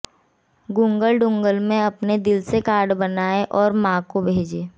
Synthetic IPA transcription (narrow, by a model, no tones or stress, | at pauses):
ɡʊ̃ŋɡəlɖʊ̃ŋɡəlmẽɐpned̪ɪlsekaːɾɖbənaːeʔɔːɾmãːkobʱeːd͡ʒeː